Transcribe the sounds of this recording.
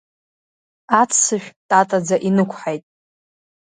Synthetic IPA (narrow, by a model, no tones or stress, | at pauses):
at͡sʰsɨʃᶣtʼatʼad͡zaʔinɨkʷʰħajtʼ